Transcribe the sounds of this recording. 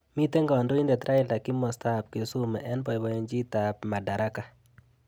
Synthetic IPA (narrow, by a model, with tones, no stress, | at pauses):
mi˦tɛ˦ŋɡɔ˨ndo˦i˦ndɛ˨t̪ɾʔa˦ɪ˦lda˨ki˦mɔ˨sta˦p̚ke˨su˦mɛ̰˨ʔɛ˦nbɔ˨ɪ˨wɔ˦jɔ˦ɲd͡ʒi˦ta˨pma˨da˨ɾa˦ka˨